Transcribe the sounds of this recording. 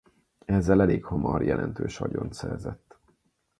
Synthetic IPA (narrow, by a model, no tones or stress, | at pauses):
ɛzːɛlɛleːkhomɒrjɛlɛnt̪øːʃɒɟont̪sɛrzɛt̪ː